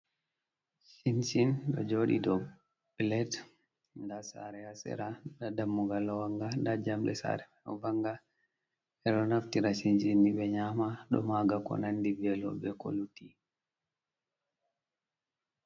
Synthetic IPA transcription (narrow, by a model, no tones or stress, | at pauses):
sinsinɗɔ̰d͡ʒoɗḭdɔ | blɛt | ndasa̰ɾɛasɛ̰ɾadadamːuɡalːɔwaŋɡandad͡ʒamɗɛ̰sa̰ɾɛ | vaŋɡa | ɛɗɔnaftiɾasinsinːiɓɛɲaːmaɗɔ̰maɡakɔ̰nandibɛlɔ̰ɓɛko̰luti